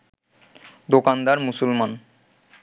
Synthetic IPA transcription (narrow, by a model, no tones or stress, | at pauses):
d̪okand̪aɾmusulman